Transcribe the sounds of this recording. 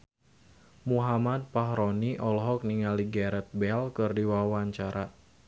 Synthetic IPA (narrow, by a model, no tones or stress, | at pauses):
muɦamad̪̚paɦɾɔniʔɔlɦɔk̚niŋaliɡɛɾɛt̪̚bɛlkɨrdiwaawaɲt͡ʃaɾʔa